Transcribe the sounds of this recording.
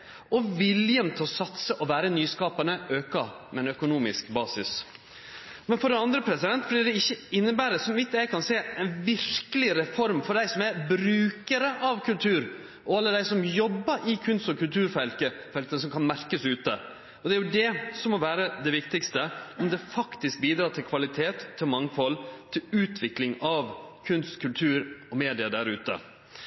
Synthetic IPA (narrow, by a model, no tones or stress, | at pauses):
ɔʋɪljənt̪ʰɪlɔsɑt̪səʔɔʋæːɾənyːskɑːpənəøːkɑ | mɛɛnœkʊnuːmɪskbɑːsɪs | mɛnfɔɖɛnɑnd̪ɾəpʰɾɛsɪd̪ɛnt̪blɪɾɖ̪ɛɪçːəɪnːəbæːɾəsɔmʋɪt̪ːjæɪkʰɑnseːɛnʋɪɾkəlɪɾɛfɔɾmfɔɾɖ̪æɪsɔmæɾbɾʉːkəɾəʔɑʋkʰʉlt̪ʰʉːɾ | ʔɔɑlːəd̪æɪsɔmjɔbːəɾʔɪkʰʉnst̪ɔkʰʉlt̪ʰʉːɾfɛlkəfɛlk̪ənəs̬ɔmkʰɑnmæɾkəsʉːt̪ə | ɔd̪ɛæɾjʊd̪ɛsɔmːɔʋæːɾəd̪ɛʋɪkt̪ɪkst̪əɛnd̪ɛfɑkt̪ɪsk̚biːd̪ɾɑːt̪ʰɪlkʰʋɑlɪt̪ʰeːt̪ʰːɪlmɑŋːfɔlːt̪ʰɪlʉːt̪ʰʋɪklɪŋɑʋkʰʉnst̪kʰʉlt̪ʰʉːɾɔmeːd̪ɪəd̪æɾʉːt̪ə̰